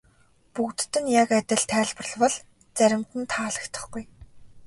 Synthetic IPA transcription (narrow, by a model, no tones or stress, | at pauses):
pukt̪t̪ːɘ̆njakæt̪ʲɪ̆ɮt̪ʰæːɮp̆rə̆ɮwə̆ɮ | t͡sæɾʲɪ̆mt̪ɘ̆nt̪ʰaːɮə̆kt̪ʰə̥̆χɡuj